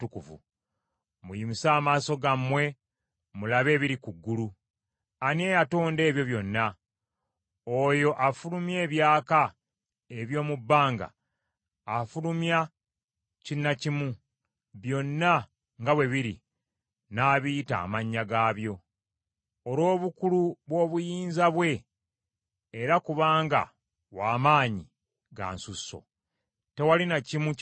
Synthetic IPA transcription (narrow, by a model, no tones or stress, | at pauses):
tukuvṵ | mujimisaːmaːso̞ɡamwe̞ | mulaβe̞ːβiɾikuɡːulu | aniejatoːnde̞ːβjo̞βjo̞nːa | ojo̞ʔafulumje̞ːβjaːka | e̞βjo̞ːmubːaːŋɡa̰ː | fulumja | cinːacimu | βjo̞nːa | ŋɡawe̞βiɾḭ | naːβita̰ːmaɲːaɡaːβjo̞ | olo̞ːβukuluβwo̞ːβujiːnzaβwe̞ | ɾakuβaːŋɡa̰ | waːmaːɲi | ɡa̰ːnsusːo̰ | te̞walinacimu